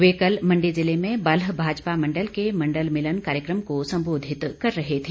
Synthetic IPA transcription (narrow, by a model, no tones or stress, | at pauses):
ʋeːkəlmɐ̃ɳɖid͡ʒɪlemẽbɐlɦbʱaːd͡ʒpamɐ̃ɳɖəlkemɐ̃ɳɖəlmɪlənkaːɾjəkɾəmkosɐ̃mboːd̪ʱɪt̪kɐɾːɐɦet̪ʰe